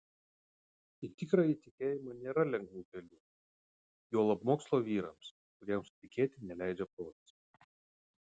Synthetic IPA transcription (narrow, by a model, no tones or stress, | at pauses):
it̪ʲɪkɾɑːit̪ʲɪkʲeːjɪmɐnʲeːɾɐlʲɛŋɡʋʲuːɡ̪ʲɛlʲuː | joːlˠɐpmoːkslˠoːʋʲiːɾɐ̰ms | kʊɾʲiɛmsʊt̪ʲɪkʲeːt̪ʲɪnʲɛlʲæˑɪd͡ʒʲɛpɾoːt̪ʲt̪s